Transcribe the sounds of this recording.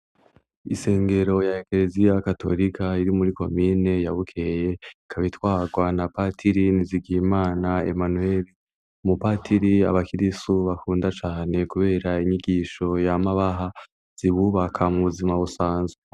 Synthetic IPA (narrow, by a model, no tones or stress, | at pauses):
ise̞ːŋɡe̞ɾo̞jaekle̞zijakato̞̰ɾikʰaiɾimuɾiko̞̰miːne̞jaβukʰeje̞kʰaβitwaːɡwanapatʰiɾiniziɡiimaːnae̞̰manue̞ɾi | mupatʰiɾiaβakiɾisuβakuːndat͡ʃaːne̞kuβe̞ːɾaiɲiɡiʃo̞jamaβaɦa | z̥iβuβakʰamuβuzimaβusaːnzwee